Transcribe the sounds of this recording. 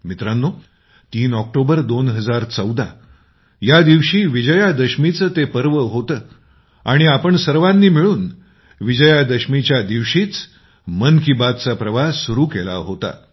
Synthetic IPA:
mit̪ɾãnːo | t̪iːnɔk̚ʈobəɾd̪onɦəd͡zaɾt͡səwd̪a | jad̪iʋʂiːʋid͡ʑəjad̪əɕmit͡səːt̪epəɾʋəɦot̪əː | aɽ̃iapəɳsəɾʋãnːiːmiɭuːn | ʋid͡ʑəjad̪əɕmit͡ɕjad̪iʋʂiːt͡s | mənkibat̪t͡sapɾəʋasuɾuːkela̰ɦot̪a̰

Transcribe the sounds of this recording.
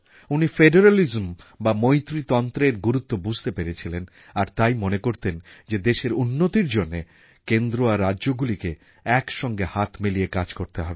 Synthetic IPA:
unifeɖeɾalizmbamojt̪ɾit̪ɔnt̪ɾeɾɡuɾut̪ːobud͡ʑʱt̪epeɾet͡ɕʰilen | aɾt̪ajmonekoɾt̪end͡ʑed̪eʃeɾunːot̪iɾd͡ʑonːe | kend̪ɾoaɾːadʑoɡulike | ɛkʃɔŋɡehat̪ʰmiliekad͡ʑkoɾt̪eɦɔbe

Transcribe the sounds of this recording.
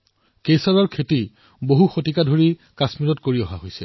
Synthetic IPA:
kesaɹɔɹkʰeti | boɦuxotikadʱoɹikasmilɔtkoɹiɔɦaɦojsɛ̰

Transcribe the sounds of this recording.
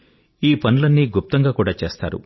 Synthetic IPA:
iːpɐnulɐnːiɡup̚t̪ɐŋɡaːkuːɽaːt͡ʃeːst̪a̰ːɾṵ

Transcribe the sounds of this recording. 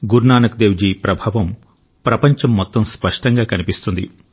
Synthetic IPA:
ɡuɾnaːnɐk̚d̪eːʋd͡ʒiːpɾɐbʱaːʋɐm | pɾɐpɐɲt͡ʃɐmːɔt̪ːɐmspɐʂʈɐŋɡaːkɐnipist̪und̪ḭ

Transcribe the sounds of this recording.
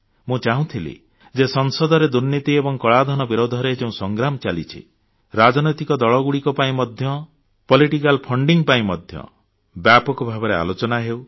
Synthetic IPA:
mũt͡ʃaɦũt̪ʰilḭ | d͡ʒesɔŋsɔd̪ʱɔɾed̪uɾnit̪iebɔŋkɔɭad̪ʱɔnɔbiɾod̪ʱɔɾed͡ʒeũsɔŋɡɾamɔt͡ʃalit͡ʃʰḭ | ɾad͡ʒɔnɔjt̪ikɔd̪ɔɭɔɡuɽikɔpaĩmɔd̪ʱjɔ | pɔliʈik̬alpʰɔɳɖiŋpaĩmɔd̪ʱjɔ̰ | bjapɔkubʱabɔɾea̰lot͡ʃɔnaɦew

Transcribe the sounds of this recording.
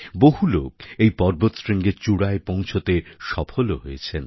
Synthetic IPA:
boɦulokejpɔɾbot̪sɾiŋɡeɾt͡ɕuɽaepɔ̃wt͡ɕʰot̪eʃɔpʰoloɦojet͡ɕʰen

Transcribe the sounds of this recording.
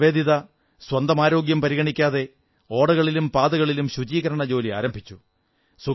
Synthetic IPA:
ʋe̞ːd̪iðɐ | swɐnd̪ɐmaːɾo̞ːɡjɐmpɐɾiɣɐɳikʲːaːðe̞ | o̞ːɽɐɣɐɭilumpaːðɐɣɐɭilumɕud͡ʑiːɣɐɾɐɳɐd͡ʑo̞ːlia̰ːɾɐmbʱit͡ɕːu | su

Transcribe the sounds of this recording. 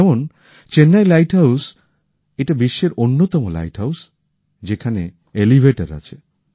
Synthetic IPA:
ɛmon | t͡ɕenːajlajʈɦaws | eʈabiʃːeɾonːot̪ɔmola̰jʈɦaws | d͡ʑekʰanḛ | elibʱeʈaɾa̰t͡ɕʰe

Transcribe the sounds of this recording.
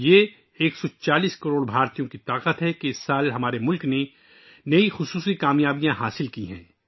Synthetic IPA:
jeː | eːksɔt͡ʃaːliːskɐɾoːɽbʱaːɾt̪ijõkit̪aːqət̪ɦɛkeɪsːaːlɦɐmaːɾemʊlkne | nɐixʊsuːsikaːmjaːbijãɦaːsɪlkiɦɛ̰̃ː

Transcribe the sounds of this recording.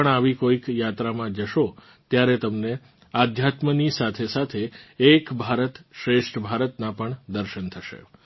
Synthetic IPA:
əɳaʋikoikjat̪ɾamãd͡ʒəʃo | t̪jaɾet̪əmne | ad̪ʱjat̪mənisat̪ʰesat̪ʰeːkbʱaɾət̪ʃɾeʃʈʰbʱaɾət̪napəɳd̪əɾʃənt̪ʰəʃḛ

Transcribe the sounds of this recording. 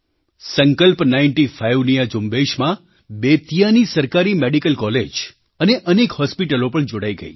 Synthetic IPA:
səŋkəlpnainʈifajʋnijad͡ʒumbeʃmã | bet̪ijanisəɾkaɾimeɽikəlkɔled͡ʒ | əneʔənekhɔspiʈəlopəɳd͡ʒoɽaiɡə̰ḭ

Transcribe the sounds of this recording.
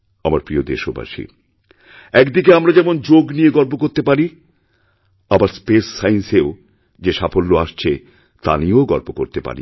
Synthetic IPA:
amaɾpɾiod̪eʃoba̰ʃḭ | ɛkd̪ikeamɾad͡ʑɛmond͡ʑoɡnijeɡɔɾp̬okoɾt̪epaɾi | abaɾspesːainseo | d͡ʑeʃapʰolːoaʃt͡ɕʰe | t̪a̰nioɡɔɾpokoɾt̪epa̰ɾḭ

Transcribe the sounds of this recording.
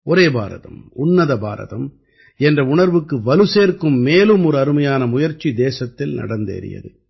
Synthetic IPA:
ɔɾeːba̰ːɾɐ̰ðɐ̰mmʊnːɐðɐba̰ːɾɐ̰ðɐm | ɛndrɐʊɳɐɾʋɯkːɯʋɐlɯseːɾkɯmːeːlɯmɔɾɯɐɾɯmɐjaːnɐmʊjɐɾt͡ʃːid̪eːsɐt̪ːɪlnɐ̰ɽɐnd̪ḛːɾɪ̰jɐ̰ðɯ

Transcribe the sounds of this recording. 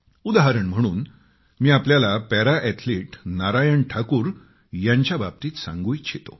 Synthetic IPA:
ud̪aɦaɾəɳm̤əɽ̃uːn | miːapljalapɛɾaʔɛt̪ʰliːʈnaɾajəɳʈʰakuːɾ | jaɲt͡ɕjaba̰b̚t̪iːt̪sã̰ŋɡuːjɕʰet̪o̰

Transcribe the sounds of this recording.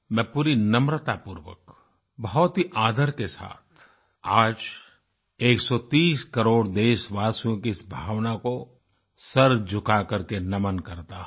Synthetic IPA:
mɛ̃ːpuːɾinɐmɾət̪apʊɾʋə̰k | bɐɦɔt̪ɦiʔaːd̪ʱəɾkesa̰ːt̪̚ʰ | aːd͡ʒ | eːksɔt̪iːskɐɾoːɽd̪eːʃʋaːsijõkiɪsbʱaːʋnako | sɐɾd͡ʒʱʊkakɐɾkenɐmənkɐɾt̪aɦ

